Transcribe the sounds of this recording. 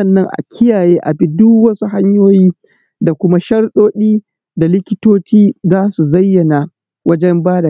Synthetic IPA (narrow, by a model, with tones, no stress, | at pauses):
ɐ˦˨nːɐ˦ŋʔa̰˨kʲʰɪ˦jaː˨jeː˦ʔa˨bi˦dʊ˦wɐ˦su˦ha˦ɲjoː˦jiː˦ | da˨kʷʊ˦ma˦ʃɐ˦rɗoː˦ɗiː˦ | da˨lɪ˦kʲɪ˦toː˦t͡ʃiː˦zaː˦su˨zɐ˦jːɐ˨na˨ | wɐ˦d͡ʒɛ˦mbaː˦da˨